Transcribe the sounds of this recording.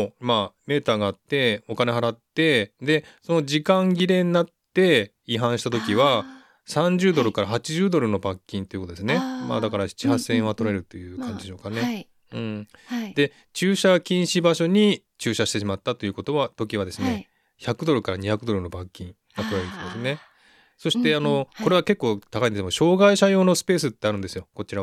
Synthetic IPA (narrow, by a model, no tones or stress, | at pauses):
maːme̞ːt̪aːɡaːt̪ːe̞o̞kane̞ɦaɾat̪ːe̞d̪e̞so̞no̞d͡ʑikãŋɡʲiɾẽ̞nːat̪ːe̞ | iɦãɰ̃ɕi̥t̪at̪o̞kʲiβa | sãɲ̟d͡ʑɨːd̪o̞ɾɯ̟kaɾaɦat͡ɕiʑɨːd̪o̞ɾɯ̟no̞bakʲːĩnt̪o̞jɯ̟kot̪od̪esɨne̞ma̰ːd̪akaɾai̥t͡ɕiɦasẽ̞βat̪o̞ɾe̞ɾɯ̟t̪o̞jɯ̟ːkʰãɲ̟d͡ʑid̪eɕo̞ːkane̞ | ɯ̟̃ɴd̪e̞ | t͡ɕɨːɕakʲĩɰ̃ɕibaɕo̞ɲ̟i | t͡ɕɨːɕaɕi̥t̪e̞ɕ̬imat̪ːat̪o̞iɯ̟ko̞t̪o̞βat̪o̞kʲiβad̪e̞sɨne̞ | çakɯ̟d̪o̞ɾɯ̟kaɾaɲ̟içakɯd̪o̞ɾɯno̞bakʲːĩŋ | ɡat̪o̞ɾeɾet̪od̪esɨne̞ | so̞ɕi̥t̪e̞ano̞ko̞ɾe̞βake̞kːo̞ːt̪akaĩndesmoɕo̞ːɡaiɕajo̞ːno̞sɨ̥pe̞ːsɨt̪ːe̞aɾɯ̟nd̪esɨjo̞ko̞t͡ɕiɾa